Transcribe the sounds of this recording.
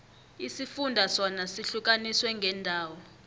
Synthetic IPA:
isifundʱasɔnasiɬuk̬ʼaniswɛŋɡʱɛndʱaːwɔ

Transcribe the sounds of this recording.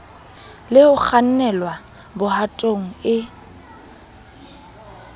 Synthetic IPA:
lɪʊk͡xʰan̩nɛlwa | bʊhatʼoŋ̩ɪ

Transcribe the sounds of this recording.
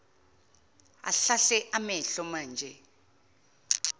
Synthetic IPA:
a̰ɬaɬɛʔamɛɬɔmaːnd͡ʒʱɛ

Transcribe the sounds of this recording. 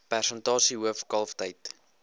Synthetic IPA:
pærsəntɑːsiɦuəfkɐlˠftəjt

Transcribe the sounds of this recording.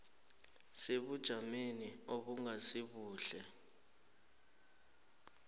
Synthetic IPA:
seɓud̥ʒ̥ʱamenioɓuŋasiɓuːɬɛ

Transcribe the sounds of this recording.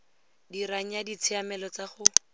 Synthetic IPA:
diɾaŋ̩jadit͡sʰɪamɛlɔt͡saχʊ

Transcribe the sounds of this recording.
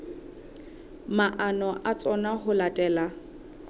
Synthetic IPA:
maʔanɔʔat͡sʼɔnaɦʊlatʼɛːla

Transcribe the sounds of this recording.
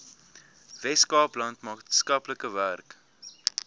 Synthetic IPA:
vɛskɑːplɐntmɑːskɐpləkəværk

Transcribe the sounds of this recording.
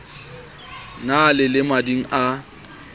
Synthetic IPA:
nalɪlɪmadiŋ̩ʔa

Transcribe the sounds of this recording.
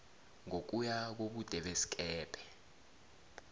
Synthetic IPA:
ŋok̬ujak̬oɓud̥ʱɛɓesi̥k̬ʼɛːpʰʼɛ̥

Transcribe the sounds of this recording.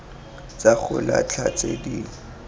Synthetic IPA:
t͡sak͡xʰʊla̰t͡ɬʰat͡sʼediː

